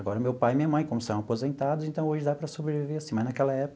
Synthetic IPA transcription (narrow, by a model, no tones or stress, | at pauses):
aɡɔɾɐmewpajɪmĩɲɐmɐ̃j̃kõmʊsɐ̃w̃apozẽnt̪ad̪ʊzẽnt̪ɐ̃w̃oʒɪd̪apɾɐsobɾeviveɾasĩmɐznakɛlɐɛpʊk